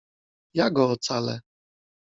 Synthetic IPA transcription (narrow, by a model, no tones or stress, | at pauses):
jaɡɔːt̪salɛ